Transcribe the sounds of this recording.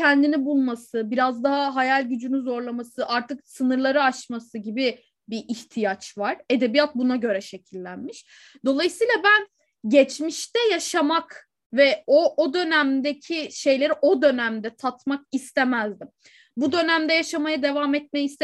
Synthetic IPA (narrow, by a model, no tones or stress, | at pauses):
ɛnd̪inibulˠmasɯbiɾazd̪aɦaɦajalʲɟyd͡ʒynynzo̞ɾlˠamasɯʔaɾt̪ʰɯksɯnɯɾlˠaɾɯaʃmasɯɟibi | biʔiçt̪ʰijat͡ʃvaɾ̥e̞d̪e̞bijat̪̚bunaɟø̞ɾɛʃe̞cʰilʲːænmiʃ | d̪̥o̞lˠajɯsɯjːlˠabæn | ɟɛt͡ʃmiʃt̪ɛjaʃamak | vɛood̪ø̞næmd̪ecʰiʃe̞jlʲe̞ɾiʔo̞d̪ø̞næmd̪ɛt̪ʰat̪mak̚ist̪ʰemæzd̪im | bud̪ø̞næmd̪ɛjaʃamajad̪e̞vamɛt̪̚mejist̪